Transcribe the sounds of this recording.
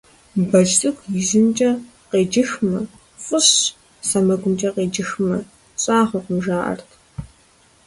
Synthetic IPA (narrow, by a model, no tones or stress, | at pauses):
bɐt͡ʃʼtʰʼɨxʷjɪzɨmt͡ʃʼɐ | qeːd͡ʒɪxmɐ | fʷʼʊɕ | sɐmɐɡʷʊmt͡ʃʼɐqeːd͡ʒɪxmɐ | ɕʼaːχʷɐqʷʊmʒaːʔɐ̰rtʰ